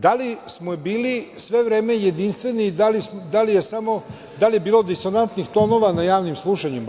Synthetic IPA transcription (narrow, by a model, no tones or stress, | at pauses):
d̪alismobiːlisʋe̞ʋɾeːme̞jed̪inst̪ʋe̞niːd̪alimd̪alijesamo̞ | d̪alijebiːlo̞d̪iso̞nant̪nixt̪o̞no̞ʋanajaːʋnimslˠuʃaɲim